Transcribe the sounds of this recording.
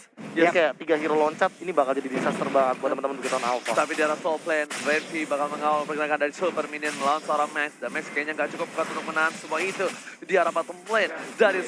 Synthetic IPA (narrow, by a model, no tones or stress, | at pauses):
jakajaʔp̪iɡaɦiɾolɔɲt͡ʃat̪̚inibakald͡ʒadidisast̪ərbaŋat̪̚kuat̪əmənt̪əmənbukit̪aanalfɔt̪apidiaɾasɔlplɛnvɛnsibakalməŋawalpərɡənakandaɾisolpərminiənməlawansəoɾaŋmɛksdamɛkskajaɲaŋɡaʔt͡ʃukʊp̚ukat̪uɾʊk̚mənaɦansumuait̪udiaɾapat̪ɔmplɛndaɾi